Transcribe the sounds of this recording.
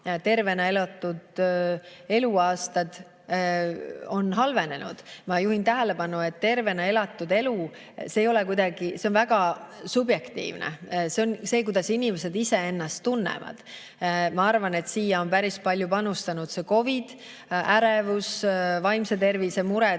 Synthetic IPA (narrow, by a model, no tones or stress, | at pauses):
t̪e̞rve̞nɑe̞lɑt̪ːˑud̪̥ | e̞luɑːst̪ɑd̪̥ | o̞nːɦɑlve̞ne̞nṵd̪̥mɑjuhint̪æɦæle̞pɑnue̞t̪ːe̞rve̞nɑe̞lɑt̪ˑːud̪e̞lu | sejo̞lɛkujd̪̥ɑɡ̥ise̞onvæɡ̥ɑsubje̞kt̪ḭːvnḛse̞o̞nse̞ːk̬ujd̪̥ɑsinimese̞d̪ise̞e̞nːɑst̪ːunːḛvɑ̰d̪̥ | mɑɑrvɑne̞t̪siːjɑo̞npæɾispɑlʲjupɑnust̪ɑnud̪se̞ko̞vid̪̥ | æɾevusvɑjmset̪e̞rvise̞muɾɛ